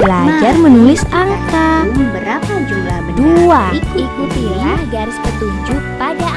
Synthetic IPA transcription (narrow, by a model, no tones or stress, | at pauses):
bəlad͡ʒarmənulɪsaŋkaməbəɾapad͡ʒuɡabəduaikikut̪iaɡaɾɪspət̪uɲd͡ʒʊk̚pada